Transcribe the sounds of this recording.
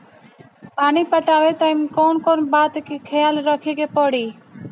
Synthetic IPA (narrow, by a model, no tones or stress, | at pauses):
paːniːpəʈaːʋeːt̪aɪmkoːnkoːnbaːt̪kiːkʰeːjaːlɾɔkʰiːɡeːpoːɽiː